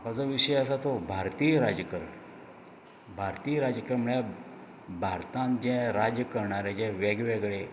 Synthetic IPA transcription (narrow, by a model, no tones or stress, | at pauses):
akat͡səʋiɕəjəsat̪obʱaɾt̪ijɾad͡ʑəkəɾɳ | bʱaɾt̪ijəɾad͡ʑkəɾməɭja | bʱaɾt̪ãnd͡ʑɛ̃ɾad͡ʑjəkəɾɳaɾẽd͡ʑɛ̃ʋeɡʋɛɡɭe